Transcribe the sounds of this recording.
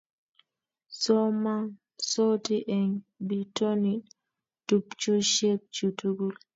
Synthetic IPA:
sɔman | sotiʔɛŋbitoni | tupt͡ʃɔʃep̚t͡ʃutuɡul

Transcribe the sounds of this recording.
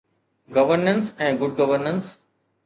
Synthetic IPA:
ɡɐʋəɾnə̃nsɛ̃ːɡʊɖ̚ɡəʋəɾnə̃ns

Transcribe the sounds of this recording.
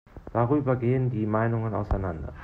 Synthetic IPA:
d̥aʁyːbɐɡeːəndiːmaɪnʊŋəna̰ʊsa̰ɪnandɐ̰

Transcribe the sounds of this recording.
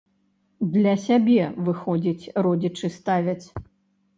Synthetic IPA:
d̪lʲɐsʲabʲɛvɨxɔd͡zʲit͡sʲrɔd͡zʲit͡ʂɨst̪avʲɐt͡sʲ

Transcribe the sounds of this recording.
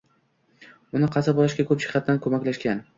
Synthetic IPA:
ʊnɪqʰɑsabɒlˠɪʃɡʲakʰɵpʃɪ̥χɑt̪ːankʰɵmakʲlaʃkʲan

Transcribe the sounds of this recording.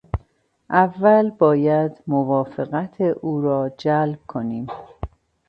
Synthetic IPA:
ʔævːælbɒːjæd̪movɒːfeɣæt̪ʰeʔuːɾɒːd͡ʒælb̥̚kʰo̞niːm

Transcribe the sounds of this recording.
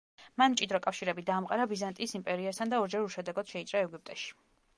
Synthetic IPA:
manmt͡ʃʼid̪ɾɔkʼafʃiɾɛbid̪aːmqʼaɾabizant̪ʼiːsimpʼɛɾiast̪ʰand̪aɔɾd͡ʒɛɾuʃɛd̪ɛɡɔd̪̥ʃɛit̪sʼɾaɛɡup̚ʼt̪ʼɛʃi̥

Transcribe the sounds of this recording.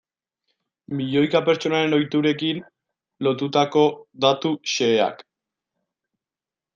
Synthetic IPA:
miʎo̞jkape̞ɾt͡ʃo̞naɾe̞no̞jt̪uɾe̞kin | lo̞t̪ut̪ako̞d̪at̪uʃe̞ːa̰k

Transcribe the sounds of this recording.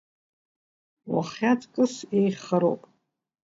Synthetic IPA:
wa̰χʲatʼkʼɨsejχəɾo̰wpʼ

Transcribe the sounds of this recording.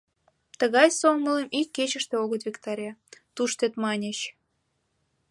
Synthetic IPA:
t̪ə̆ɣɑjsonməlemʔikʲːet͡ɕə̆ʃt̪eoɣə̆t̪vʲikt̪ɑɾʲɑt̪uʃt̪et̪mɑnʲeɕ

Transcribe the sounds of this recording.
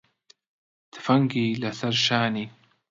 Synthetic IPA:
t̪fɐŋɡiːlaθɐɾʃaːni

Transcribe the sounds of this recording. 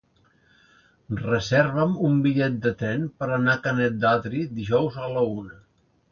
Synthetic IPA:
rəzɛɾβəmumbiʎɛt̪̚d̪ət̪ɾɛnpəɾənakənɛt̪̚d̪at̪ɾid̪iʒɔwzələunə

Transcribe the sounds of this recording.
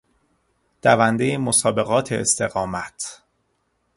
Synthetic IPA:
d̪̥ævænd̪ejemosɒːbe̞ɣɒːt̪ʰeːst̪e̞ɣɒːmæt̪ʰ

